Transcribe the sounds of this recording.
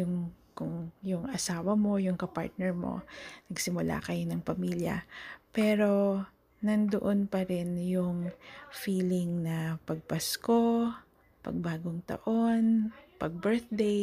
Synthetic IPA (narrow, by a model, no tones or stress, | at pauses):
jʊŋkʊŋjʊŋʔɐsaːwɐmo̞jʊŋkɐpa̰ɹt̪̚nɛɹmo̞̰nɐɡsɪmʊla̰kɐjonɐŋpɐmiːljɐ̰pɛːɾo̞ | nɐnd̪o̰ʔonpɐɾɛnjʊŋfiːlɪŋnɐpɐɡ̚pɐsko̞ | pɐ̰ɡ̚baːɡoŋt̪ɐ̰ʔo̞npɐɡ̚bɛɹt̪̚d̪ej